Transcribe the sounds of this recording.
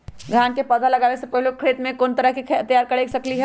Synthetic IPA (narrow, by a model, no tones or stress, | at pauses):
ɡʱaːnkepɐd̪ʱalɐɡaːʋesepəɦilokʰɾeːt̪mẽkoːnt̪ɐɾəɦkikʰt̪jaːɾkɐɽeːksɐkliɦɛ